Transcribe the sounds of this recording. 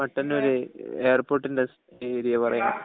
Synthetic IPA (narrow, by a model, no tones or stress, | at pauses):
mɐʈːɐnoɾueːrpo̞ːrʈːindes | eɾijɐpɐrɐ̰ja̰ː